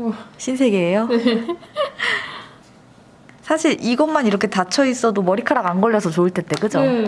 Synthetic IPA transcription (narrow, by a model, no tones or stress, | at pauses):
ɕʰinsʰe̞ɡeːjo | sʰaɕʰiɾiɡʌnmːaniɾʌkʰe̞tat͡ɕʰʌis͈ʌdomʌɾikʰaɾaɡanɡʌʎːʌsʰʌt͡ɕoɯɭt͈ʰe̞t͈e̞kɯd͡ʑo